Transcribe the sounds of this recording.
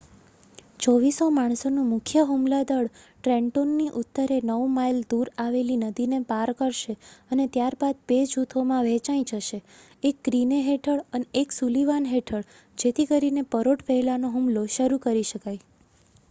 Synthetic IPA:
t͡ʃɔʋisomaɳ̃sonũmʊkʰjəɦumlad̪əɭʈɾɛ̃ɳʈonːiʔʊt̪ːəɾenəʋmajld̪uɾaʋelinəd̪inepaɾkəɾʃeənet̪jaɾbad̪̚bed͡ʒʱut̪ʰomãʋet͡ʃaĩd͡ʒəʃe | ekːɾineɦeʈʰəɭəneʔeksuliʋanɦeʈʰəɭ | d͡ʒet̪ʰikəɾinepəɾoʈpəɦɛlanoɦumloʃəɾukəɾiʃəkaj

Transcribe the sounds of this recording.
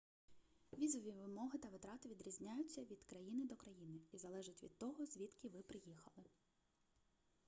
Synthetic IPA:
ʋʲizɔʋʲiʋɪmɔɦɪt̪ɐʋɪt̪ɾɑt̪ɪʋʲid̪ɾʲizʲnʲajʊt͡sʲːɐʋʲid̪kɾɐjinɪd̪ɔkɾɐjinɪizɐlˠɛʒɪtʲʋʲḭd̪̚t̪ɔɦɔzʲʋʲit̪kʲɪʋɪpɾɪjixɐlˠɪ

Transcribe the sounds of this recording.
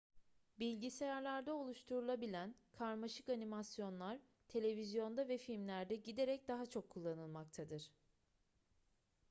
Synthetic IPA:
bilʲɟisejaɾlʲæɾd̪ɛo̞lˠuʃt̪ʰuɾulˠabilʲænkʰaɾmaʃɯkanimasjo̞nlˠaɾ | t̪ʰe̞lʲe̞vizjo̞nd̪avɛfilʲmlʲæɾd̪ɛɟid̪e̞ɾɛc̚d̪aɦat͡ʃʰo̞kʰːulˠːanɯlˠmak̚t̪ʰad̪ɯɾ̥

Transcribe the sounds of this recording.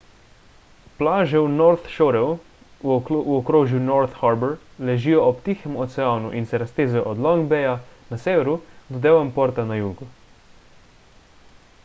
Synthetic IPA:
plaːʒɛwnɔɾt̪ʃoɾɛw | uɔkɾoːʒjunɔɾt̪xaɾbɛɾlɛʒiːjɔɔpt̪iːxɛmɔt̪sɛaːnṵʔinsɛɾast̪eːzɛjɔʔɔd̪lɔŋɡbɛjanaseːʋɛɾud̪ɔd̪ewɛmpɔɾt̪anajuːɡu

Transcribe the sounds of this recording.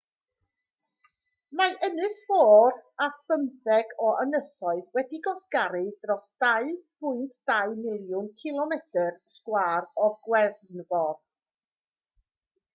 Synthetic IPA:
maʔənɨsfoːrafəmθɛɡɔʔənəsɔɨðwɛdiɡɔskaɾɨdrɔsd̥aɨpʰʊɨntʰd̥aɨmɪlˠjʊnkʰɪlˠɔmɛtʰərskwaːrɔɡwɛrnvɔd

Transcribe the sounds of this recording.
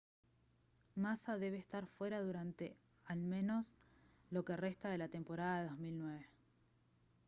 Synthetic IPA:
masaðe̞β̞eːst̪aɾfwe̞ɾaðuɾant̪e̞ | almẽ̞no̞s | lo̞kere̞st̪að̞e̞lat̪e̞mpo̞ɾaðaðeðo̞zmilnwe̞βe̞

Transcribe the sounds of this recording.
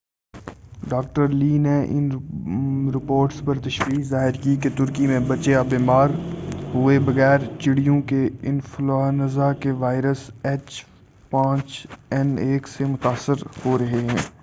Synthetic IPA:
ɖaːk̚ʈəɾliːneʔɪ̰n | ɾɪpoːɾʈspɐɾt̪ɐʃʋiːqzaːɦɪɾkiket̪ʊɾkimẽbɐt͡ʃeabiːmaːɾɦʊebɐɣɛːɾt͡ʃɪɽijõkeɪnflaːnɐzakeʋaːɪɾəsɛt͡ʃ | pãːt͡ʃɛneːksemʊt̪aːsːəɾhoɾɐɦeɦɛ̃ː

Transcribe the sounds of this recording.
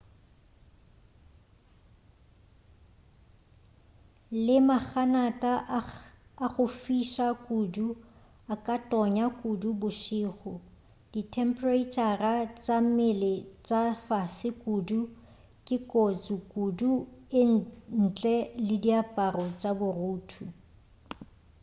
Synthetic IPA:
lɪmak͡xʰanatʼaː | ɣʊfiʃakʼudu | akʼatʼɔɲakʼudubʊʃiːχʊ | d̥itʰɛmpret͡ʃʼarat͡sʼamɪlɪt͡sʼafasɪkʼudu | kʼɪkʼot͡sʼukʼuduɪn̩t͡ɬʼɛlɪdiapʼarɔt͡sʼabʊruːtʰu

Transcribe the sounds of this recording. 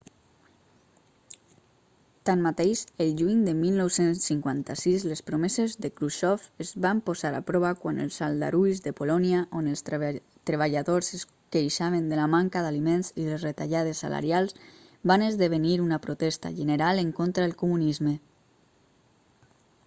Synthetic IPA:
t̪anmat̪ejʃəlʒuɲd̪əmilˠnɔwsensːiŋkwant̪asizlespɾomezezðəkɾuʃɔfezβampozaɾa̰pɾɔβakwanə̰lˠsalˠd̪a̰ɾujzðəpolɔniaʔonəlˠs | t̪ɾeβ̞aʎaðoses | kejʃaβ̞end̪əlamaŋkaðalimenziðesret̪aʎaðesːa̰la̰ɾjalˠz | βanəzðeβeniɾunapɾot̪ɛst̪a̰ʒəneɾaleŋkont̪ɾaelˠkumunizmə

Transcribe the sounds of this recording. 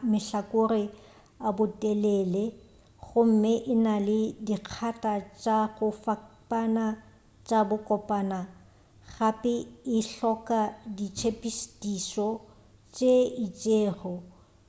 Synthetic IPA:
mɪɬakʼʊrɪ | abʊtʼɛlɛlɛ | ɣʊm̩mɪʔɪnalɪdiq͡χʰatʼat͡ʃʼaɣʊfapʼana | t͡ʃʼabʊkʼɔpʼaːna | ɣapʼɪɪɬɔkʼadit͡ʃʰepʼisdisɔ | t͡ʃʼeɪt͡ʃʼeːɣɔ

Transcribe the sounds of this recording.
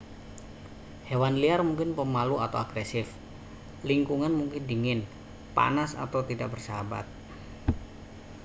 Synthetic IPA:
hewanliarmuŋkɪnpəmaluat̪awaɡɾesɪf | liŋkuŋanmuŋkɪndiŋɪn | pa̰nasa̰t̪awt̪idak̚bərsəɦaba̰t̪̚

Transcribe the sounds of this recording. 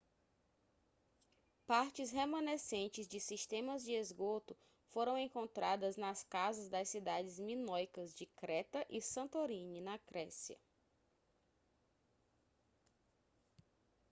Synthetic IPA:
paɾt͡ʃɪsɦemɐ̃nesẽnt͡ʃɪzd͡ʒɪsist̪ẽmɐzd͡ʒɪezɡot̪ʊ | foɾɐ̃w̃ẽŋkõnt̪ɾad̪ɐznɐskazɐzd̪ɐssːid̪ad͡ʒɪzmĩnojkɐzd͡ʒɪkɾɛt̪ɐʔisɐ̃nt̪oɾĩninɐkɾɛsiɐ̰

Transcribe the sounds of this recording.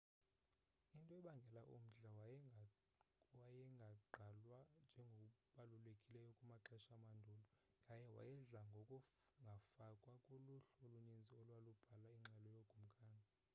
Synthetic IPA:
intʼɔɛɓaŋɡʱɛlaʔṵm̩ɮaw | wajɛŋɡʱaǃʱalwand͡ʒʱɛŋɡʱokʼuɓalulekʼilɛjɔkʼumaǁɛʃamandʱulɔŋɡʱajɛwa̰jɛɮaŋɡʱokʼuŋɡʱafakʼwakʼoluɬolunend͡zʱiɔlwalub̥ʱalaiŋ͡ǁɛlɔjoɡ̥ʱum̩kʼaːnʱa

